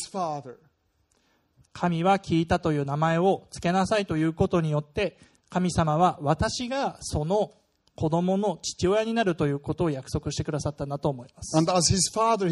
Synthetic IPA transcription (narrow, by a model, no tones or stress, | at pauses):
z̥fɑðə˞ | kʰamʲiβakʲʰiːt̪at̪o̞jɯ̟ːnamae̞o̞t͡sɨ̥ke̞nasait̪o̞jɯ̟ːko̞t̪o̞ɲ̟ijo̞t̪ːe̞ | kamʲisamaβaβat̪aɕiɡaso̞no̞ | kʰo̞d̪o̞mo̞no̞t͡ɕi̥t͡ɕio̞jaɲ̟inaɾɯ̟t̪o̞jɯ̟ːko̞t̪o̞ːjakɯ̟̥so̞kɯ̟ɕit̪e̞kɯ̟d̪asat̪ːanat̪o̞ːmo̞imasɨ̥̃ndæzhɪz̥fɑðə˞